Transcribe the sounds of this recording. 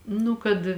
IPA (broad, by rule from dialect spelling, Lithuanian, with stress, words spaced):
ˈnʊ kɐt